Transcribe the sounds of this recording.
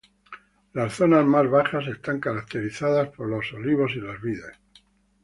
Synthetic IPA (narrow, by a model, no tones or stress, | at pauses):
lasθo̞nazmazβaχase̞st̪aŋkaɾak̚t̪eɾiθaðaspo̞ɾlo̞so̞liβ̞o̞silazβiðes